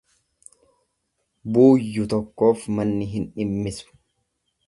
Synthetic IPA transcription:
buːjːʊt̪ɔkːo̞ːfmɐnːɪɦɪnᶑɪmːɪsʊ̥

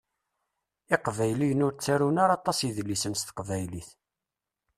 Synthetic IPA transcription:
ɪqvæjlijənʊɾt͡sːæɾunaɾɑt̪ˤːɑsjiðlːisənst̪ə̥qvæjliθ

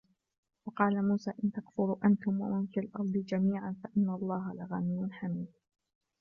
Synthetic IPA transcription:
wɑqɑːlamuːsaːʔɪnt̪aɡfʊɾuːʔant̪ʊmwa̰ʔʊmkɪalʔɑɾˤd̪ˤɨd͡ʒamiːʕanfaʔɪnːalˤːɑːɦalaɣamɪjʊnħamiːm

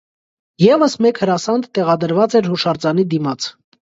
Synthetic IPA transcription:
jɛvəsmɛkʰhəɾɑsɑnd̪t̪ɛʁɑd̪əɾvɑt͡sɛɾhuʃɑɾt͡sɑnid̪imɑt͡sʰ

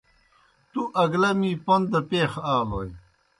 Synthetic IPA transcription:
t̪uʔɐɡlɐmiːpɐnd̪ɐpeːxaːloːj

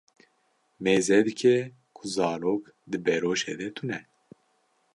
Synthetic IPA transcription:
meːzɛd̪ɨkʰɛ | kʰuzɑːloːk | d̪ɨbɛɾoːʃḛːd̪ɛt̪ʰunɛ

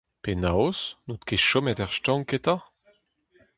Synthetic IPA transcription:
penawosnot̪keʃɔmɛt̪ɛʁʃtɑ̃ŋket̪a

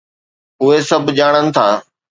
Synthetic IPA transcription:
ʊɦesɐbʱd͡ʑaːɽ̃ənɪ̆t̪ʰaː

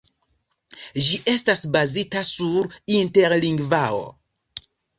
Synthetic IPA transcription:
d͡ʒiʔe̞stasbazitasuɾinte̞ɾliŋɡvao̰

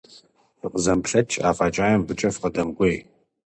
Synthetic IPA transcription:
ɨqəzɐmpɬɐt͡ʃʰʼa̰ːfʼaːt͡ʃʼaːjɛmbɨt͡ʃʼɐfqɐdɐmɡʷej

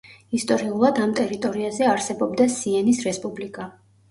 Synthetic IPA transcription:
ist̪ʼɔɾiulˠad̪amt̪ʼɛɾit̪ʼɔɾiazɛaɾsɛbɔbd̪asiɛnisɾɛspʼublikʼa

